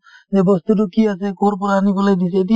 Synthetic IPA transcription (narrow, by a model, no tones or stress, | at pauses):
zɛbɔst̪utukiasɛkoɾp̬ɔɾaːnikɔlɛdis̬ɛdi